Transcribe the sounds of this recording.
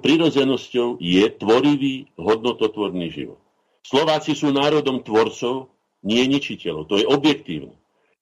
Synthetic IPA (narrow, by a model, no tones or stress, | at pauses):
pɾiɾɔd͡zɛnɔscɔʊjɛt̪ʋɔɾiʋiːɦɔd̪nɔt̪ɔt̪ʋɔɾniːʒḭʋɔ̰t̪̚ | slɔʋaːt͡sisuːnaːɾɔd̪ɔmt̪ʋɔɾt͡sɔʊ | ɲɪɛɲit͡ʃicɛlɔʊt̪ɔjɛʔɔbjɛkt̪ḭːʊnɛ̰